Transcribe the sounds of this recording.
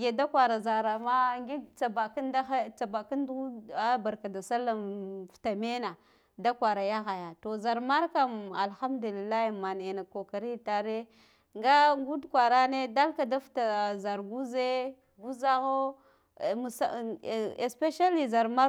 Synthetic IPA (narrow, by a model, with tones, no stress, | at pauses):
ɡe˨da˦kwa˨ɾa˨za˨ɾa˨ma˦ŋɡi˦t͡sa˨ba˨ka˦nda˦a˦t͡sa˨ba˨ka˦ndu˦a˦ba˨ɾka˨da˨sa˦la˨nfta˨me˦na˨ | da˦kʷa˨ɾa˨ja˦ɣa˨ja˨to˨za˨ɾma˦ɾka˦ma˨lxa˦mdu˨li˨lːa˦i˨ma˨n˨e˨na˨ko˨ka˨ɾi˦ta˨ɾe˦ | ŋɡa˦ɡu˦dkʷa˨ɾa˦ne˦da˦lka˨da˦fta˨za˨ɾɡu˦ze˦ | ɡu˦za˦ɣo˦˨ | mu˨sa˦˨e˨spe˦ʃa˦li˨za˨ɾma˦